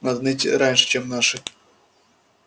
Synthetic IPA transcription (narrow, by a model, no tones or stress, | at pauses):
nad̪nɨtʲɾanʲʂɨ̥t͡ɕemnaʂɨ